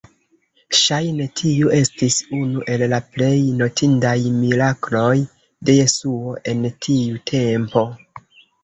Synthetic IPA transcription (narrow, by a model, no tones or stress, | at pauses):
ʃajnetʰiue̞stisunuʔe̞lːaple̞jno̞tʰindajmiɾaklo̞j | de̞je̞suo̞ʔe̞ntʰiutʰe̞mpo̞